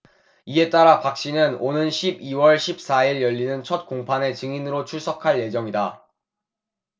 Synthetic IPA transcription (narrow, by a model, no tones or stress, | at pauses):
ie̞t͈aɾapak̚ɕ͈inɯnonɯnɕʰibiwʌɭɕʰip̚s͈aiɭjʌʎːinɯnt͡ɕʰʌt̚k͈oŋpʰane̞t͡ɕɯŋinɯɾot͡ɕʰuɭs͈ʰʌkʰaɭje̞d͡ʑʌŋida